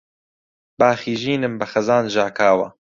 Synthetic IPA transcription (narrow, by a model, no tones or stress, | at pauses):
baːxiːʒiːnɨmbɐxɐzaːnʒaːkaːwa